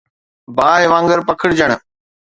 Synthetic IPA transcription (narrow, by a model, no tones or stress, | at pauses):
baːɦɪʋãːŋɡəɾpɐkʰəɽɪd͡ʑəɽ̃̆